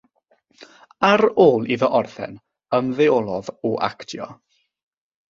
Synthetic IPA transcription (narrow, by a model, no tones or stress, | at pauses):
aɾoːlˠiːðəʔɔrθɛ̰n | əmðɛɔlˠɔðɔʔa̰ktʰjɔ̰